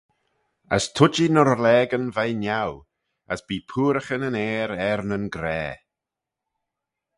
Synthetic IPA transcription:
ə̰stʰʊd͡ʒinɔɾlɛːɡənvajnjaw | ə̰sb̥iːpʰuːɾəxənənɛːɾɛɾnənɡɾɛ̰ː

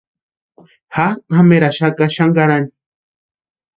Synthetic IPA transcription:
hahameɾaʃakaʃaŋɡaɾani

